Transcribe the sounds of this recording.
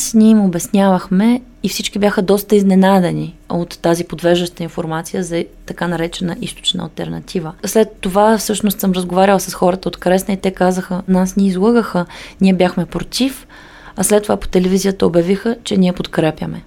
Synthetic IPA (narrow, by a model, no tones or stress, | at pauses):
snʲiɛimobɛsnʲavəxmɛ | ifsit͡ʃkibjaxəd̪ɔst̪əiznɛnad̪ɛniot̪ːazipod̪vɛʒəʃt̪əinfoɾmat̪sijəzɐt̪ɐkanɐɾɛt͡ʃɛnɐʔist̪o̥t͡ʃnə̰ɐ̰lˠt̪ɛ̰ɾnɐt̪ʰivəslɛt̪ːovafsɤʃnost̪sɤmɾəzɡovaɾʲəlˠəsəsxɔɾət̪əot̪kɾɛsnəit̪ɛkazəxənasnʲɛizlˠɤɡəxəniɛbʲjaxmɛpɾot̪if | ɐslɛt̪ːovapo̥t̪ɛlɛvizijət̪əobjɐvixət͡ʃɛnʲiɛpot̪kɾɛpʲjə̰mɛ